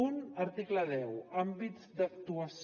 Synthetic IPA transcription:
unəɾt̪ikləðɛwambizd̪ək̚t̪uəs

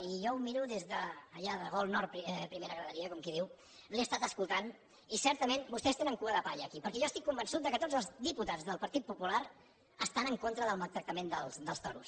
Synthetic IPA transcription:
iʒɔwmiɾuðezðəːʎaðəɣɔlˠnɔɾt̪pɾpɾimeɾəɣɾələɾiəkɔmkiðiw | leest̪at̪əskulˠt̪an | isɛɾt̪əmenbust̪ɛst̪enəŋkuəðəpaʎəːkipəɾkɛʒɔəst̪ikːumbənsut̪̚d̪əkət̪od͡zəlˠzðiput̪ad͡zðəlˠpəɾt̪it̪̚pupulaɾ | əst̪anəŋkont̪ɾəðəlˠmalˠt̪ɾək̚t̪əmend̪əlˠsd̪əlˠst̪ɔɾṵs

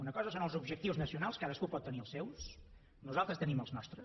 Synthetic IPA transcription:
unəkɔzəsonəlˠzubʒəkt̪iwznəsiunalˠskaðəskupɔt̪ːəniəlˠsɛws | nuzalˠt̪ɾəst̪əniməlˠznɔst̪ɾə

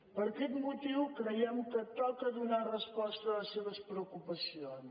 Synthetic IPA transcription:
pəɾkɛt̪mut̪iwkɾəjɛmkət̪ɔkəðunarəspɔst̪ələseβ̞əspɾəukupəsion

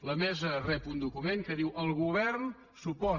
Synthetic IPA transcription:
ləmɛzərɛpund̪ukumeŋkəðiwʔəlˠɣuβ̞ɛɾn | supɔ

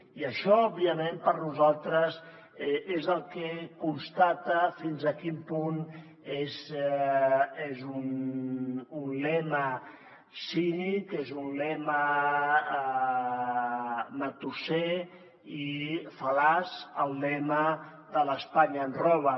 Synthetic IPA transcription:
iəʃɔɔbiəmẽmpəɾnuzalˠt̪ɾəz | ezəlˠkekunst̪at̪əfinzəkimpun | ez | ezun | unlɛmə | sinikezunlɛmə | mət̪use | ifəlazəlˠːɛmə | ðələspaɲaːnrɔβ̞ə

